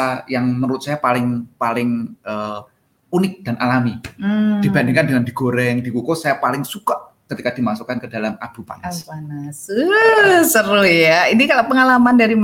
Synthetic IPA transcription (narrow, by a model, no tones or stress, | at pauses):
ajaŋməɾʊt̪̚sajapalɪŋpalɪŋʔə | unɪk̚d̥a̤nʔa̰lamidd̥ibandɪŋkandinand̥i̤ɡ̥oɾɛŋd̥i̤kukosajapalɪŋsuka | kət̪ikad̥imasokankəd̥alamʔab̥ṳpa̰naspansəsəɾʊjainikaloʔpəŋalamandaɾim